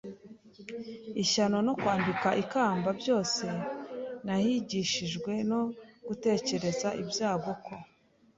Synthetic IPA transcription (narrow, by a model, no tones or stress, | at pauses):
içano̞no̞kwaːmbikaʔikaːmbabjo̞ːse̞nahiɟiːʃiʒɡwe̞noɡ̥ute̞ːce̞ɾe̞zaʔibjaːɡo̞ko